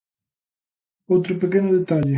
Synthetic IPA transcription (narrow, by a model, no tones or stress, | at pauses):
owt̪ɾʊpekenʊðet̪aʎɪ